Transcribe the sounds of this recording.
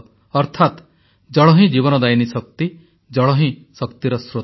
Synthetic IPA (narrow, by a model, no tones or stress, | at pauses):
ɔɾt̪ʰat̪ | d͡ʒɔɭɔɦĩd͡ʒiβɔnɔd̪ajnisɔk̚t̪i | d͡ʒɔɭɔɦĩsɔkt̪iɾɔsɾo